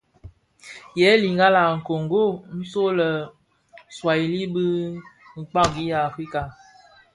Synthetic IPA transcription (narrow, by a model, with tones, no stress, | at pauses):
jɛ˨˦li˨ŋɡa˦la˨ŋ̩˨ko˨ŋɡo˦mi˦so˦lə˨ | swa˨i˨li˦bi˦ŋ̩˨k͡pa˦ɡi˦ja˨fɾi˦ka˨